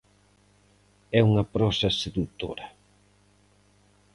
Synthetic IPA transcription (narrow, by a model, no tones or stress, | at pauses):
ɛuŋɐpɾɔsɐseðut̪o̰ɾɐ